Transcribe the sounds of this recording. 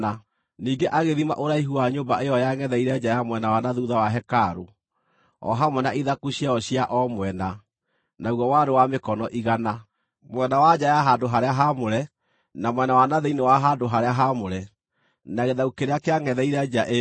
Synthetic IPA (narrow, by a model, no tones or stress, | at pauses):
a | niːɡeʔaɣeðima̰ʔoɾaiɦuaɲoːmbaʔeɔjaŋɛðɛiɾɛd͡ʑajamwɛnawanaðuðawaɦɛkaɾo | ɔ̰ɦamwɛnaiðakuɕiaɔɕijaʔɔmwɛna | nauɣɔwadowamekɔnɔʔiɣana | mwɛnawad͡ʑajaɦandoɦaɾeaɦamoɾɛ | namwɛnawanaðeinewaɦadoɦaɾeaɦamoɾɛ | naɣeðaukeɾeakeaŋɛðɛiɾɛd͡ʑaʔe